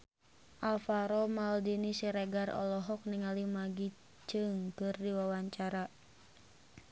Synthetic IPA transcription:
ʔalfaɾɔmaldinisiɾeɡarɔ̰lɔɦɔk̚niŋalimaɡi | t͡ʃɨŋkɨrdiwawaɲt͡ʃaɾa

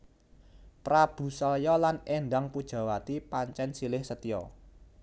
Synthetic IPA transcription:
pɾab̥ṳsɔjɔlanendaŋpud̥ʒ̥ä̤wat̪ipaɲt͡ʃɛnsilɪhsət̪ijɔ

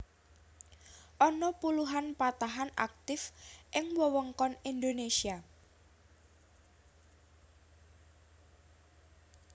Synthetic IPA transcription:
ʔɔnɔpuluɦanpat̪aɦana̰k̚t̪ɪfʔɪŋwɔwɔŋkɔnind̪onesia

